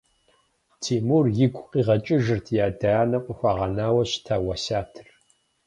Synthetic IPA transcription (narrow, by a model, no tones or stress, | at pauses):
tʰiːmurjɪɡʷʼqiːʁɐt͡ʃʼɪʒɨrtʰjaːdanɐqʷʼʊxʷaːʁɐnaːwɐɕtʰaːwɐsaːtʰɨr